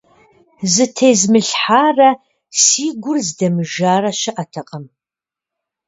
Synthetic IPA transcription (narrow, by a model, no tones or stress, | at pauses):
zɨtʰejzmɨɬħaːrɐ | siːɡʷʊrzdɐmɨʒaːrɐʃɐʔɐtʰɐqʼɐm